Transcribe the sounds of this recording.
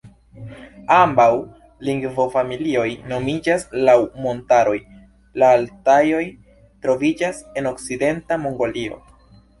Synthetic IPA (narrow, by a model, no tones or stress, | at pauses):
ambaw | liŋɡvo̞familio̞jno̞mid͡ʒaslawmo̞ntaɾo̞j | laːltajo̞j | tɾo̞vid͡ʒase̞no̞kt͡side̞ntamo̞ŋɡo̞lio̞̰